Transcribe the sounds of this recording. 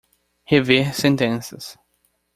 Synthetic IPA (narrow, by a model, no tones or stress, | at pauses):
hevesẽnt̪ẽnsɐs